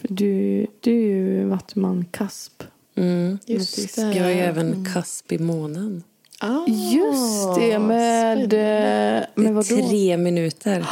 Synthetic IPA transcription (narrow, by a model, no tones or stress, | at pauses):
fœɖʉd̪̥ɛæɾjvat̪ːmankʰasp̩ | ajɛːvənkʰaspɪmoːnən | jɵst̪ɛmɛd̪ | mɛvad̪ɾeːmɪnʉ̟ːt̪ʰəɾ